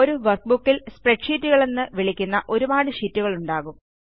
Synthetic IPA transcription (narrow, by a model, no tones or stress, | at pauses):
oɾuʋɐrk̚bukːilspreʈʂiːtːuɣɐɭe̞nːɨʋiɭikʲːunːɐʔo̞ɾumaːɽɨʂiːtːuɣɐɭuɳɖaːɣum